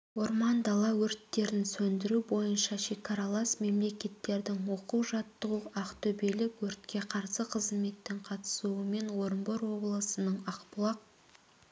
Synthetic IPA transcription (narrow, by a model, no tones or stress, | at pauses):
wo̞ɾmɑnd̪ɑlˠɑwɵɾt̪ːe̞ɾɪnsɵnd̪ɪɾubo̞jənʃɑʃe̞kaɾɑlˠɑsme̞mle̞kʲe̞t̪ːe̞ɾd̪ɪŋwo̞quwʒɑt̪ːəʁuʔɑqt̪ɵbelɪkwɵɾt̪kʲe̞qʰɑɾsəqʰəzme̞t̪ːɪŋqʰɑt̪ə̥suəme̞nwo̞ɾmboɾwo̞blˠəsənəɴɑqpʊlˠɑq̚